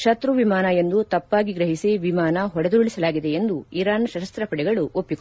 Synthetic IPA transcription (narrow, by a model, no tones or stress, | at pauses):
ʂɐt̪ɾuʋimaːnɐe̞nd̪ut̪ɐpːaːɡiɡɾɐɦisiʋimaːnɐɦɔɽɐd̪uɭisɐlaːɡid̪e̞end̪uiɾaːnʃɐʃɐst̪ɾɐpɐɽɛɡɐɭuʔopːi